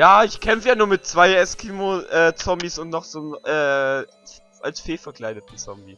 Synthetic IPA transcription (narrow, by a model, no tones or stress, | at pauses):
jaːɪçkʰɛmfəjaːnuːɐmɪt̚t͡sv̥aɪɛskʰiːmoʔɛːt͡sɔmbisʊntnɔχz̥oːnʔɛː | ʔa̰lsfeːfɛɐkl̥aɪdətn̩t͡sɔmbi